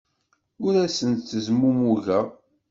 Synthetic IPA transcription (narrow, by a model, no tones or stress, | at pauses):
ʊɾæsənt̪θəzmumuʝæ